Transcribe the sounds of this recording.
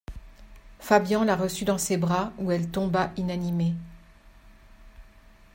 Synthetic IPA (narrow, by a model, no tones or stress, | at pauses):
fabjɑ̃laʁəsyd̪ɑ̃sebʁauɛlt̪ɔ̃baʔinanime